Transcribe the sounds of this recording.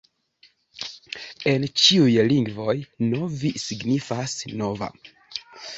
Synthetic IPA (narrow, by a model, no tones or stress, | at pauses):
e̞nt͡ʃiujliŋɡvo̞jnovisiɡnifasno̞va̰